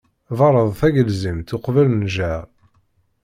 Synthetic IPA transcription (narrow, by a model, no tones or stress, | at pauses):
vɑɾˤəðˤθæʝəlzəmt̪ʊqvəlnʒæ